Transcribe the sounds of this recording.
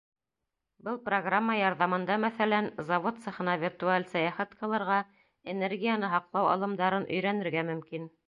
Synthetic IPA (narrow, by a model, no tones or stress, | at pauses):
bɤlˠproɡramːɑjɑɾðɑmɤ̆nd̪ɑmæθælænzɑvot̪sɤ̆χɤ̆nɑvʲirt̪ualʲsɑjɑχæt̪qɤ̆lˠɤ̆ɾʁɑ | enerɡʲijanɤɦɑqlˠɑwɑ̰lˠɤ̆md̪ɑɾɤnʔɵ̰̆jɾænɘ̆ɾɡæmɵ̆mkin